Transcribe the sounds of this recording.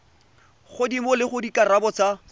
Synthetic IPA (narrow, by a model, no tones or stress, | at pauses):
χʊdimʊlɪχʊdikʼarabɔt͡sa